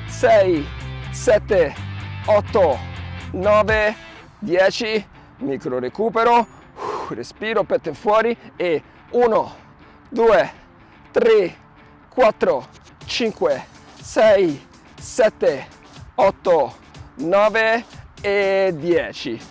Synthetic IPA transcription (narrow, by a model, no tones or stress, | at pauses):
sɛjsɛt̪ːeɔt̪ːo | nɔːve | d̪jɛːt͡ʃi | mikɾoɾekuːpeɾo | respiːɾopɛt̪ːeɱfwɔːɾie | uːno | d̪uːe | t̪ɾe | kwat̪ːɾo | t͡ʃiŋkwesɛj | sɛt̪ːe | ɔt̪ːonɔːveː | d̪jɛːt͡ʃi